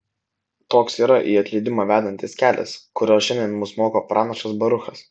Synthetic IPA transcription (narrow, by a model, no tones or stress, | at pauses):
t̪oːksiːɾɐʔiːɐt̪ʲlʲɪːd̪ʲɪmoːʋʲæːd̪ɐnʲt̪ʲɪskʲæːlʲɛ̰skʊɾʲoːsʃʲɛnʲd̪ʲɛnmʊsmoːkoːpɾʔɑːnɐʃɐsbɐɾʊxɐs